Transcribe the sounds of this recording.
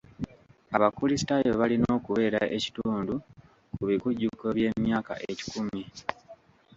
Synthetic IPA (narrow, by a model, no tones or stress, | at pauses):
aβakulistajoβalinoːkuβe̞ːɾaʔe̞ci̥tuːndu | kuβikuɟːukːoβje̞ːmjaːka̰ʔeci̥kumi